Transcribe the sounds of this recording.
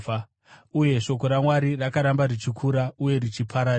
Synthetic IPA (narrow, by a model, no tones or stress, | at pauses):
uje̞ʃo̞ko̞ɾamwaɾirakaɾambarit͡ʃikʰuɾauje̞rit͡ʃipʰaɾa